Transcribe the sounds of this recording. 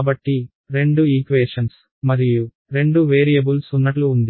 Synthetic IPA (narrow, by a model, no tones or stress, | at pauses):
bɐʈːi | ɾe̞ɳɖuiːkʋeːʂɐns | mɐɾiju | ɾe̞ɳɖuʋeːɾijɐbulsunːɐʈluːnd̪i